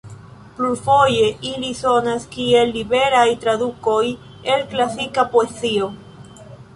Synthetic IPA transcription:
plufo̞je̞ʔiliso̞naskie̞lːibe̞ɾajt̪ɾad̪uko̞j | elklasikapoezio

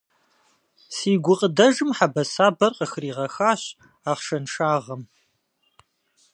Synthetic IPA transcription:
siːɡʷʊqʼədɐʒɨmħabɐsaːbɐrqʼəxɨriːʁɐxaːɕ | aːχʂɐnʂaːʁɐm

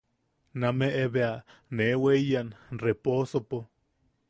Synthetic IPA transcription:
nameʔeβeaneweijanreposopo

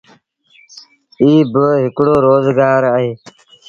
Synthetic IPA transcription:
iːbɦɪkɽoːɾoːzɡaːɾəɦeː

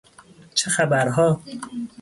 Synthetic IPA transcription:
t͡ʃʰexæbæɾɦɒː

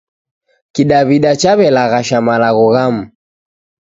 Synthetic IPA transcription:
kiɗaβiɗat͡ʃaβɛlaɣaʃamalaɣuɣam̩

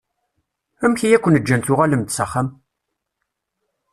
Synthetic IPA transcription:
æmçijækʷːənəd͡ʒːænt̪ʊʁaləmt̪sɑχːəm

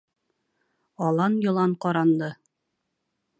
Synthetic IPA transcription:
ɒlˠɑnjɤ̆lˠɑɴqɒɾɑnd̪ɤ

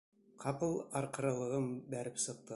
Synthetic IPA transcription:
qʰɑpəlˠɑɾqəɾɑlˠəʁəmbæɾɪpsəq̚t̪ə

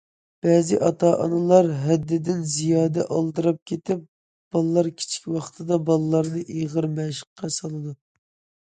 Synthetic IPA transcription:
b̥ɛːzɪʔɑt̪ʰɑːʔɑ̰nɨlˠɑɾɦɛd̪ːɪd̪ɪnzijɑːd̪ɛʔɑlˠd̪ɨɾɑp̚kʲʰet̪ɪp̚ | b̥ɑlˠlˠːɑɾkʲʰi̥t͡ʃʰi̥kʲwɑχt̪ʰɨd̪ɑbɑlˠlˠɑɾnɨʔiʁəɾmɛʃə̥qːɑsɑlˠɨd̪u

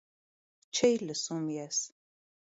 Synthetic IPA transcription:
t͡ʃʰɛjləsumjɛs

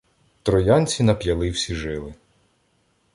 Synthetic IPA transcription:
t̪ɾɔjɑnʲt͡sʲinɐpjɐlˠɪwsʲiʒɪlˠɪ

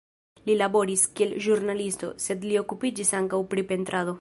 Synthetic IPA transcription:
lilabo̞ɾiskielʒuɾnalist̪o̞̰se̞d̪lio̞kupid͡ʒisaŋkawpɾipent̪ɾʔado̞

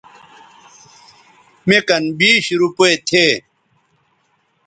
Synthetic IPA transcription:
mekɐnbiːɕɾupoet̪ʰeː

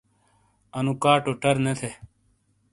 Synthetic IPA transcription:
ɐnũːkaːʈoːʈɐɾnet̪ʰe

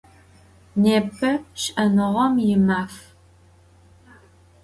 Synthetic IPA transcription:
neːpʰɐʃʔɐnɨʁɔmjɪmaːf

